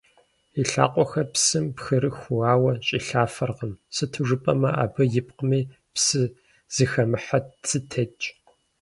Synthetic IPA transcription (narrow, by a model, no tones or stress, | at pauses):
iɬa̰ːqʷʼɔxɐpsɨmpxɨɾɨxʷʊwaːwɐt͡ʃʼiːɬaːfɐrʁəmsɨtʰɨʐɨpʼɐ̰mɐʔa̰ːbɐjɪp̚qmiː | psɨ | z̥ɨxɐmɨħat͡sʰɨtʰɐt͡ʃʼ